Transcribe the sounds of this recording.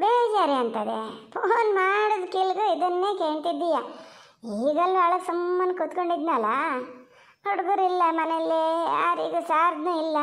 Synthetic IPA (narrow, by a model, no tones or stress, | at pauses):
beːd͡ʒaːɾeɐnt̪ɐd̪ḛpʰoːnmaːɽɐd̪kilɡuid̪ɐnːe̞ːkeːɳt̪id̪ːijɐ | iːɡɐlːuɐɭɐsɐmːɐnːkut̪koɳɖid̪nɐlːɐ | koɽɡuɾilːɐmɐnelːea̰ːɾiːɡusaːɾd̪nuːilːɐ